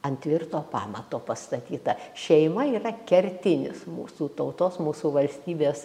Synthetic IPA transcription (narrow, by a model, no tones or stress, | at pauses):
ɐnʲt̪ʲʋʲɪrt̪oːpɑːmɐt̪oːpɐst̪ɐt̪ʲiːt̪ɐʃʲɛɪmɐiːrɐkʲɛɾʲt̪ʲɪnʲɪ̰smṵːsuːt̪ɐʊt̪oːsmuːsuːʋɐlʲsʲt̪ʲiːbʲeːs